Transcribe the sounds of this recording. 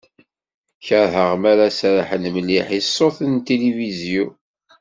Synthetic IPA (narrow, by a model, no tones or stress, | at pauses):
çəɾɦəʁmaɾasɾħənməliħisˤːoθənt̪elivizju